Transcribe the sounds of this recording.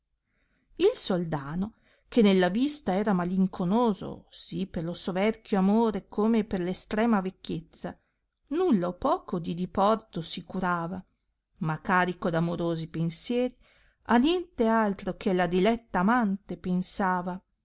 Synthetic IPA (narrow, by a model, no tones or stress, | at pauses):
ilsold̪aːno | kenelːavist̪aɛːɾamaliŋkʰonoːzo̰siperlosovɛrk̟ʰjoamoːɾekʰoːmeperlest̪ɾɛːmavekːet̪sːa | nulːaopːɔːkod̪id̪ipɔrt̪osikuɾaːva | makːaːɾikod̪amoɾoːzipensjɛːɾi | anjɛnt̪ealt̪ɾokʰelad̪ilɛt̪ːaːmant̪epensaːva